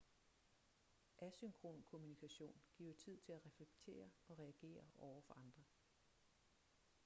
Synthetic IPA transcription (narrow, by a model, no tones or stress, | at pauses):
ʔæsyŋkʰʁo̝̰ːnkʰo̝munikʰæɕo̝̰ːnɡ̥ḭɐt͡sʰið̞̰ˠt͡sʰe̝læʁɛfleɡ̥̚t͡sʰe̝̰ːɐɒ̽ʁɛæɡ̥e̝̰ːɐɒʊɐfɒ̽ɑ̈nd̥ʁɐ